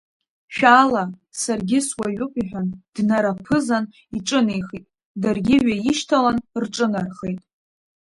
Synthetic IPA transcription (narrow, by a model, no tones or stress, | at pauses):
ʃᶣalasarɡʲɪswaʕʷʊqʷʼiħʷᶣand̥naɾapʰɨzan | iʈ͡ʂʼɨnejχitʼ | darɡʲɪɥajiʃtʰalanrʈ͡ʂʼɨnarχejtʼ